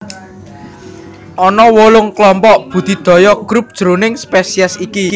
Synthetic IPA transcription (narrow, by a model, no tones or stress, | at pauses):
ʔɔnɔwolʊŋklɔmpɔʔb̥ṳd̪̥i̤d̪̥ɔ̤jɔɡ̥ɾup̚d̥ʒ̥ɾo̤nɪŋspɛsiɛsiki